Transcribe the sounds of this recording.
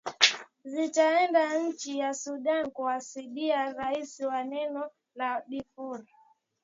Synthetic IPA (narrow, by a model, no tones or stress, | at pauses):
zit͡ʃaɛndaɲ̩t͡ʃijasuɗankuasiɗiaɾaisiwanɛnɔ | laɗifuɾa